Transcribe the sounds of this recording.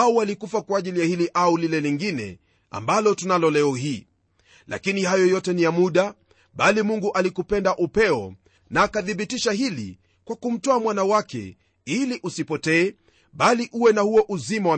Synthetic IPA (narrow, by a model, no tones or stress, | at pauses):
auwalikufakwaːʄilijahiliʔaulilɛliŋɡinɛ̰ | a̰mbalɔtunalɔlɛɔhiː | lʔa̰kinihajɔjɔtɛnijamuɗa | ɓalimuŋɡuʔalikupɛndaʔupɛɔ | naːkaθiɓitiʃaɦilḭ | kwakum̩tɔamwanawakɛ̰ | iliʔusipɔtɛː | ɓaliʔuwɛnahuɔʔuzimawa